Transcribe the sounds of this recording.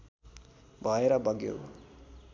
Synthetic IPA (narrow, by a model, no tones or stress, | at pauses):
bʱʌeɾʌbʱʌɡjo̰